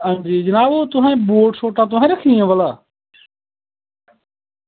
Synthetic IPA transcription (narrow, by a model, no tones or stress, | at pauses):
ə̃nd͡ʒiːd͡ʒənaːboːt̪ʊɦãboːʈsoːʈãːt̪ʊɦãːɾəkʰĩːẽːʋəlaː